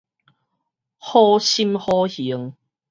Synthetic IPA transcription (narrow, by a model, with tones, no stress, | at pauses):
hɔː˦˥ɕi˥mhɔ˦˥hi˨˦əŋ